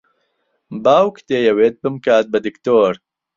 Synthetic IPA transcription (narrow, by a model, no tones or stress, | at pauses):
baːwkʰt̪eːjɐweːt̪̚bɨmkaːt̪̚bɐd̪ɨkt̪oːɾ